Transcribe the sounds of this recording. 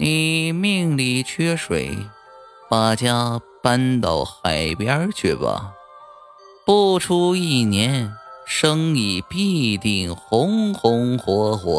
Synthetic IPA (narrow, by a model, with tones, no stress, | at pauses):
ni˨˩mi˥˧ŋli˨˩t͡ɕʰɥɛ˥ʂwḛ˨˧˩ɪ | pa˨˩t͡ɕja˥ | pa˥nt̪ɑ˥˧˩ʊxa˨˩ɪpjɑ˥t͡ɕʰy˥˩bɐ̰˨˩ | pu˥˩ʈ͡ʂʰu˥i˥˩njɛ˧˥nʂɤ˥ŋi˨˩pi˥˧t̪i˥˩ŋxʊ˧˥ŋxʊ˧˥ŋxwɔ˧˥xwɔ̰˧˥